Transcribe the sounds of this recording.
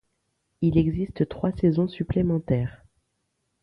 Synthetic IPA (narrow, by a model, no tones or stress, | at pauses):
ilɛɡzist̪t̪χwasɛzɔ̃syplemɑ̃t̪ɛːʁ